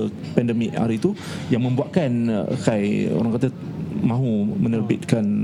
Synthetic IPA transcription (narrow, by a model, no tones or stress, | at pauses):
pɛndəmɪk̚a̰ɾit̪u | jaŋmə̃mbuaʔ̚kan̰kajo̰ɾaŋkat̪a | mãɦumənərbɪt̪̚kan